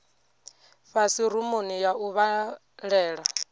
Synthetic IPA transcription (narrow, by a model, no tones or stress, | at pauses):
ɸasiɾumonijaʔuβa | ɺɛːɺa